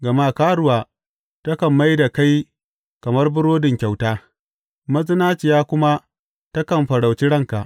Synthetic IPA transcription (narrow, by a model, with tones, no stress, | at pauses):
ɡɐ˨ma˦kaː˦ɽʊ˦waː˨ | tɐ˦kɐ˨mːa˦jda˨ka˦j | kɐ˨mɐ˦rbʊ˦ɽoː˦dɪ˨ŋkʲa˨wtaː˦ | mɐ˦zɪ˦naː˦t͡ʃɪ˨jaː˦kʷʊ˦ma˦ | tɐ˦kɐ˨mɸɐ˨ɽa˨wt͡ʃi˦ɽɐ˦ŋka˨ʔ